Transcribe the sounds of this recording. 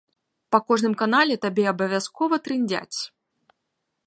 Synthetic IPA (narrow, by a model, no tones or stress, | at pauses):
pɐkoʐnɨmkɐnalʲɪt̪ɐbʲeɐbəvʲaskɔvət̪ɾɨnʲdʲa̰tʲ